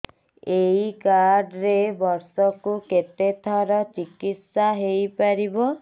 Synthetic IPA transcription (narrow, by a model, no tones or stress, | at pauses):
eɦikaɾɖɾebɔɾsɔkuket̪et̪ʰɔɾɔt͡ʃikit̪saɦejpaɾibɔ